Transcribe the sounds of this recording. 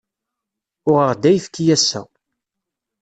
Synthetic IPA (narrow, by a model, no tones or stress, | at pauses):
ʊʁəʁd̪æjfkːijæsːæ̰